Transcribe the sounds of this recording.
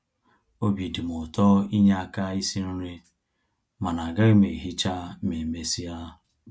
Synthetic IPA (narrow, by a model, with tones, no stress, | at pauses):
o˦bi˨di˨m˨ʊ˨tɔ˦i˦ɲa˦a˨ka˦i˦si˦ɾu˦ɾe˦ | ma˨na˨ɡa˦ɾi˦me˨ɦi˦t͡ʃa˦me˨me˦si˦a˦